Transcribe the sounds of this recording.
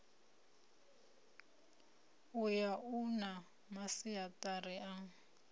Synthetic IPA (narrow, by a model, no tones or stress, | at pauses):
ujaʔuna | masiatʼariʔa